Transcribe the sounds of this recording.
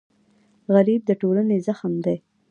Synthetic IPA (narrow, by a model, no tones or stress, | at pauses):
ɣaɾib̚d̪əʈolanezaxəmd̪ej